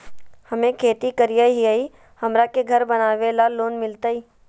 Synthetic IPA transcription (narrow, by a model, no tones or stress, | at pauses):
hɐmẽkʰeːt̪ikɐɾijaɦiai | hɐmɾakeɡʱɐɾbɐnaːʋelalːoːnmɪlt̪aiː